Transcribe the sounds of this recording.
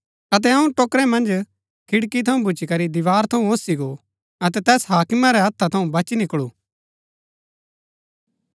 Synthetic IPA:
ɐt̪̬ɛɐũʈoːkɾɛmɐ̃nd͡ʒ | kʰɪɽkit̪ʰɐũbʊt͡ʃikɐɾid̪ɪʋaːɾt̪ʰɐũoːsiɡo | ɐt̪ɛt̪ɛːsɦaːkmaɾɛɦɐt̪ʰːat̪ʰɐũbɐt͡ʃinɪkɭuː

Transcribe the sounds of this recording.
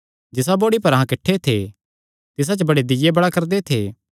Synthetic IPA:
d͡ʒɪs̬aboːɽipɐɾɦãkɪʈʰːet̪ʰe | t̪ɪs̬at͡ʃəbɐɽed̪ɪjebɐɽakɐɾd̪et̪ʰeː

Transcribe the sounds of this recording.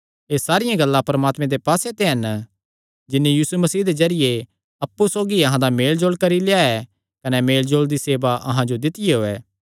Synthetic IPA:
eːsaːɾɪjãɡɐlːãpɾɐmaːt̪mẽd̪epaːset̪eɦɐn | d͡ʒɪnːijiːsumɐsiːɦd̪ed͡ʒɐɾɪje | ɐpːusoːɡiɐɦãd̪ameːld͡ʒoːlkɐɾileːjaɛ | kɐnɛmeːld͡ʒoːld̪iseːbaʔɐɦãd͡ʒod̪ɪt̪ɪjeɦoːɛː

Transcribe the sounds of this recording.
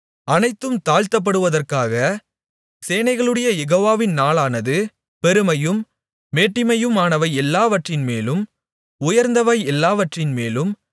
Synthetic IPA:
ɐnɐɪt̪ːɯmt̪aːɻt̪ɐp̬ːɐɽɯʋɐðɐrkaːɣɐ | seːnɐɪɣɐɭɯɽɐjɐjɛɣoːʋaːʋɪnnaːlaːnɐðɯ | pɛɾɯmɐjɯmː | eːʈːɪmɐjɯmaːnɐʋɐɪɛlːaːʋɐʈrɪnmeːlɯm | ʊjɐɾnd̪ɐʋɐɪɛlːaːʋɐʈrɪnmeːlɯm

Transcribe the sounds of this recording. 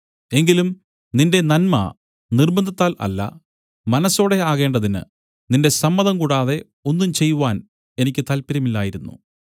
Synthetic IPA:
e̞ŋɡilum | ninde̞nɐnmɐ̰ | nirbɐnd̪ʱit̪ːaːlʔɐ̰lːɐ̰ | mɐnɐsːo̞ːɽe̞aːɣe̞ːɳɖɐðinɨ̰ | ninde̞sɐmːɐðɐmkuːɽaːðe̞ | o̞nːumt͡ɕe̞jːuʋaːn | enikʲːɨt̪ɐlpiɾɐmilːaːjiɾunːṵ

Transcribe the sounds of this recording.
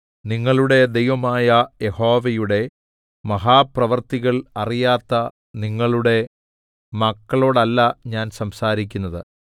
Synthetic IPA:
niŋːɐɭuɽe̞d̪e̞jʋɐmaːjɐje̞ho̞ːʋɐjuɽe̞ | mɐɦaːprɐʋɐrt̪iɣɐɭɐrijaːt̪ːɐ | niŋːɐɭuɽe̞ | mɐkːɐɭo̞ːɽɐlːɐɲaːnsɐmsaːɾik̬ʲːunːɐðɨ̰

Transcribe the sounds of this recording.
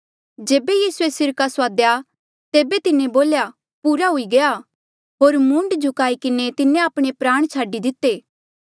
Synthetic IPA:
d͡ʒeːbejiːsuesɪɾkasaːd̪ja | t̪eːbet̪ɪnẽboːlja | puːɾaɦʊiɡɐja | ɦoːɾmʊ̃ɳɖd͡ʒʱʊkaːikɪnet̪ɪnẽaːpɽ̃epɾaːɽ̃t͡ʃʰaːɖid̪ɪt̪ːeː

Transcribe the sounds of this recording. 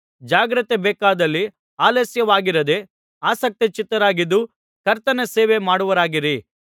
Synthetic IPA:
d͡ʒaːɡɾɐt̪ebɛːkaːd̪ɐlːi | aːleːsjɐʋaːɡiɾɐd̪e̞ | aːsɐk̚t̪it͡ʃit̪ːɐɾaːɡid̪ːu | kɐɾt̪ɐnɐseːʋemaːɽuʋɐɾaːɡiɾi

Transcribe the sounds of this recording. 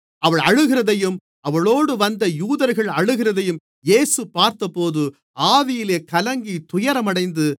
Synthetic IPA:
ɐʋɐɭɐɻɯɣɪɾɐðɐjɯm | ɐʋɐɭoːɽɯʋɐnd̪ɐjuːðɐɾɣɐɭɐɻɯɣɪɾɐðɐjɯm | jeːsɯpaːɾt̪ɐpːoːðɯ | aːʋɪjɪleːkɐlɐŋɡit̪ʊjɐɾɐmɐɽɐɪnd̪ɯ

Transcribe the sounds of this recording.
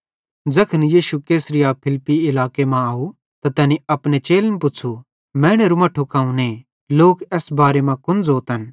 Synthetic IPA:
d͡zɐkʰənjiːʃukeːsɾɪjaːpʰɪlpiɪlaːkemãaːu | t̪at̪ɛːniɐpɽ̃et͡ʃeːlnpʊt͡sʰu | mɛ̃ːɽ̃ɛɾumãʈʰʊkaːũne | loːkɛsbaːɾemãkʊnd͡zoːt̪ɦɐn

